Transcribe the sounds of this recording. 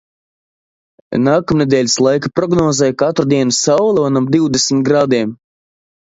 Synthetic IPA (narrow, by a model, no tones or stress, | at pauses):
naːkamned̪ɛːlʲislˠajkapɾɔɡnɔːzɛjkat̪ɾud̪iɛnusawlʲˠɔɔnamd̪iwd̪esmʲit̪̚ɡɾad̪iɛm